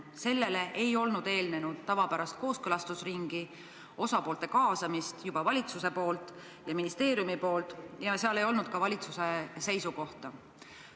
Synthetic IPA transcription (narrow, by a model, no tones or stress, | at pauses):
se̞lːe̞le̞ʔejo̞lnud̪e̞ːlne̞nud̪̥̚t̪ɑvɑpæɾɑst̪̚ko̞ːskɤlɑst̪usriŋɡ̥i | o̞sɑpo̞ːlt̪e̞kɑːsɑmist̪jub̥ɑvɑlʲit̪suse̞po̞ːlt̪ˑ | jɑminist̪e̞ːɾjumipo̞ːlt̪ːˑjɑseɑle̞jo̞lnud̪̥̚kɑvɑlʲit̪suse̞se̞jsuko̞ht̪ɑ